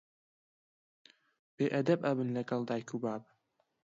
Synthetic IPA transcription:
b̥eːʔɐd̪ɐbɐbɨnlɐɡɐlˠd̪aːjkubaːb

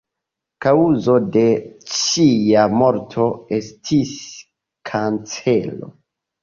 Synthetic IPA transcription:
kauzo̞de̞t͡ʃijamo̞ɾtʰo̞e̞stʰis | kʰant͡se̞lo̞̰

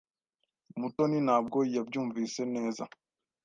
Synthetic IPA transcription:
mutɔninab̚ɡojɛb̚d͡ʒumvisɛnɛ̃ːzã

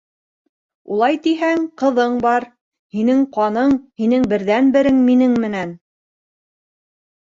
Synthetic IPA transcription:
ṵlˠɑjt̪iɦæŋqɤ̆ðɤɴbɑɾ | hinɘŋqɑnɤɴhinɘŋbɘ̆ɾðænbɘ̆ɾɘŋminɘŋmɘ̆næn

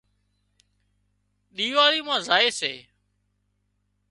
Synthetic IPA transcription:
ɗiːʋaːɾiːmãːzaːeːsḛː

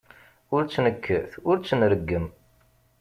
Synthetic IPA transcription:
ʊɾt͡sːnəkʰːəθʊɾt͡sːənɾəɡːəm

